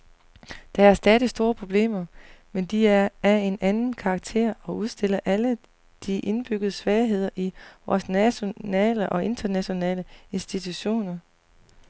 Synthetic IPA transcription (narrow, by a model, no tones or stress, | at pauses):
d̥ɑ̈æɐsd̥ɛðˠisd̥o̝ːɐpʰʁo̝b̥le̝̰ːmɐmend̥iæɐe̝nænn̩kʰɑ̈ːɡ̥̚t͡sʰe̝̰ɐ̰ɒ̽uðˠsd̥e̝l̰ɐʔælə | d̥iʔe̝nb̥yɡ̥əð̞ˠəsʋɛːɦe̝ð̞̰ˠɐʔiʋɒːsnæɕo̝nɛ̰ːləʔɒ̽e̝nd̥ɐnæɕo̝nɛ̰ːləe̝nsd̥it͡sʰuɕo̝̰ːnɐ